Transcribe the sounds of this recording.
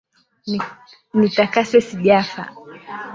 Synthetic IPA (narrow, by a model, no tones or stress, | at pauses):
nitakasɛsiʄafa̰